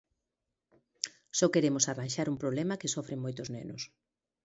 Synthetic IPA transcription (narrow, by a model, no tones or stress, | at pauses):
sɔkeɾemʊsaranʃaɾumpɾoβlemɐkesɔfɾeŋmojt̪ʊznenʊs